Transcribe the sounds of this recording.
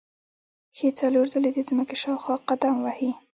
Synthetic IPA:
xet͡saloɾzəled̪izməkeʃɑwxɑqad̪amwahi

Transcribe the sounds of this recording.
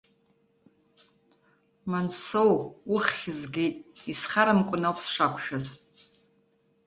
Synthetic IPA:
mansowʊχːʲɪzɡʲejtʼisχaɾamkʷʼʊnawkʰsʂakʷʰʃᶣaz

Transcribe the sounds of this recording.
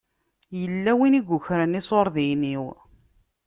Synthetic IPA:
jəlːæwiniɡʷʊçɾənisˤoɾˤðijniw

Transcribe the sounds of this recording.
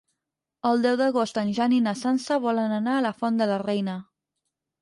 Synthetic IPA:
əlˠd̪ɛwðəɣost̪ənʲʒaninəsansəβɔlənənaələfɔnd̪ələrɛjnə

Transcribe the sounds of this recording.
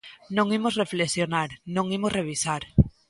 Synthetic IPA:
nõŋimozreflesjonaɾnõŋimozreβ̞isaɾ

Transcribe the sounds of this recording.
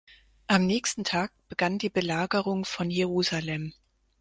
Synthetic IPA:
ʔamnɛːçstn̩tʰaːk̚b̥əɡ̥andiːbəlaːɡəʁʊŋfɔnjeʁuːzalɛm

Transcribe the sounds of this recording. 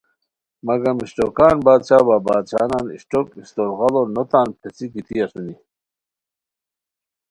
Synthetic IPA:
mɐɡɐmiɕʈokaːnbaːd̪̚t͡ɕʰaːbabaːd̪̚t͡ɕʰa̰ːnaːnḭɕʈokist̪oɾɣɑlonot̪aːnpʰet͡sikit̪iɐsuni

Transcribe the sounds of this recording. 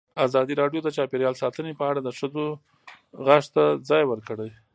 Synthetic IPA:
azɑd̪iɾɑɖjod̪ət͡ʃɑpeɾjɑlsɑt̪ənepəaɽad̪əʂəzo | ɣaʂt̪ad͡zɑjwəɾkəɽəj

